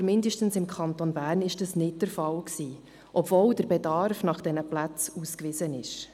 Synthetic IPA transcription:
mɪndəʃtən̩sɪmkʰɑnt̪onbæːrnɪʃd̥ɑsnɪt̚d̥əɾfɑlksiː | ʔɔpvold̥əɾbɛdɑɾfnɑχd̥ɛnəplæt͡suːskʋɪzənɪʃ

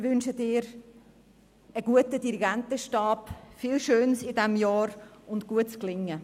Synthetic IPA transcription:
ʋʏnʃədɪːɾ | əɡuətədiɾiɡæntəʃtɑːpfɪlʃøːnsɪdɛmjɑːɾʊntɡ̥uətt͡sklɪŋːə

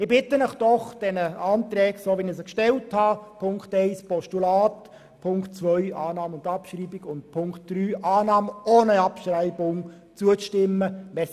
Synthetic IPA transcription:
ɪbɪtːənəχd̥ɔχd̥ɛnəɑːntɾɛːksoːʋinəsəkʃtɛlthɑpʰʊŋkχtɛɪspɔʃtulɑːt | pʰʊŋkt͡sʋœʏɑːnɑːmʊndɑpʃriːbiɡʊnt̚pʰʊŋkt̚d̥ryːʔɑːnɑːmoːnəɑpʃɾæɪbʊŋ | t͡suət͡stɪmːəʋɛ

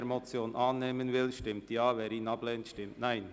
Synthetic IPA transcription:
ɾmot͡sjoːnʔɑːnːeːmənvɪlʃtɪmtjɑːvɛːɾiːnɑbleːntʃtɪmtnaɪn

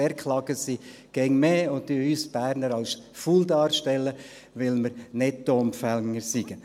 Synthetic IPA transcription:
ɛɾkχlɑɡəsi | ɡ̥ɛŋmeːʊnd̥ɪyːsb̥æːɾnəɾɑls | fuːldɑːɾʃtɛlːə | ʋɪlməɾnɛt̚dɔmfæŋəɾsiɡ̥ə

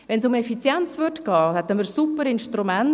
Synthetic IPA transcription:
ʋɛnsʊmɛfit͡sjɛnt͡svʏrtkɑːhɛt̪ːəməɾsupːəɾɪnʃtɾumɛn

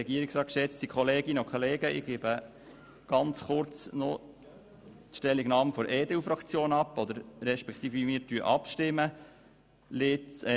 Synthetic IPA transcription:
ɛɡiəɾiksɾɑːt̚kʃɛt͡stikχɔleːɡɪnəokʰχoleːɡəʔɪ̰ɡebə | ɡ̥ɑnt͡sχʊɾt͡snɔ | t̪ʃtɛlːiɡnɑːmfɔɾeːd̪ɛufɾɑkt͡sjoːnɑpːɔd̪əɾɾɛʃpɛkʰt̪iːfimɪɾtyəʔɑpʃtɪmə | lɪt͡s

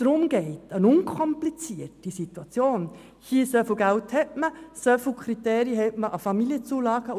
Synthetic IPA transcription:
d̥ɾʊmɡ̥ɛɪtənʊŋkʰɔmplit͡siətisit̪wɑt͡sjoːn | hiːsœfl̩ɡælthɛtməsœfl̩kʰɾiteːɾiəhɛtməʔɑfɑmiljət͡suːlɑːɡ̥ə

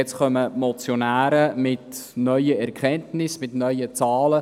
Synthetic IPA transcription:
ɛt͡sχœməmot͡sjonæːɾəmɪtnœʏəɛɾkχɛntnɪsmɪtnœʏjət͡sɑːlə

